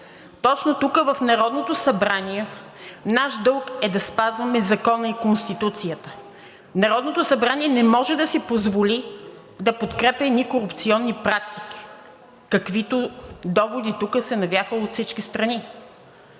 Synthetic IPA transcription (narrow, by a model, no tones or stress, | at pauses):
t̪ɔt͡ʃnot̪ukəvɐfnɐɾɔd̪not̪osɐbɾaniɛ | naʃd̪ɤlˠkɛd̪ɐspazvɐmɛzɐkɔnəikonst̪it̪ut̪sijət̪ə̥ | nɐɾɔd̪not̪osɐbɾaniɛnɛmɔʒɛd̪ɐsipozvoli | d̪ɐpot̪kɾɛpʲɛnikoɾupt̪siɔnːipɾak̚t̪i̥k̟i̥ | kɐkvit̪od̪ɔvod̪it̪ukəsɛnɐvʲjaxəot̪fsit͡ʃkist̪ɾɐni